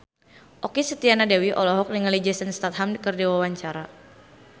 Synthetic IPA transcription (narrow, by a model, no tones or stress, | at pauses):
ʔɔkisət̪ianadawiʔɔlɔɦɔk̚niŋalid͡ʒɛsənst̪at̪̚hamkərdiwawaɲt͡ʃaɾa